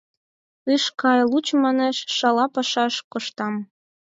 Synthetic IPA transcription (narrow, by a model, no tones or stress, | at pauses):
ɨʃkɑjlut͡ɕmɑneʃʃɑlɑpɑʃɑʃkoʃt̪ɑm